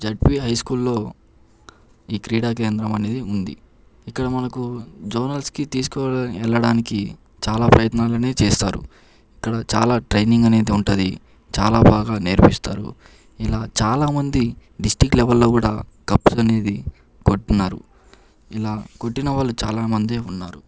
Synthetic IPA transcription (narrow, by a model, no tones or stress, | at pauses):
d͡ʒeʈ̚piɦɐjskuːlːo̞ː | iːkɾiːɽaːk̬eːnd̪ɾɐmɐne̞ːd̪iund̪ḭ | ikːɐɽɐmɐnɐkud͡ʒoːnɐlskit̪iːsu̥kɔːɛlːɐɽaːniki | t͡ʃaːlaːpɾɐjɐt̪naːluneːit͡ʃeːst̪a̰ːɾṵ | ikːɐɽɐt͡ʃa̰ːlaːʈɾɐjniŋɡɐneːd̪iuɳʈːd̪i | t͡ʃaːlaːbaːɡaːneɾpist̪a̰ːɾṵ | ilaːt͡ʃaːlaːmɐnd̪iɖisʈiklɛʋɐlːo̞ːkuːɽaːkɐpsɐne̞ːd̪i | koʈːinːaːɾṵ | ilaːko̞ʈːinɐʋaːɭːut͡ʃaːlaːmɐnd̪e̞ːunːaːɾu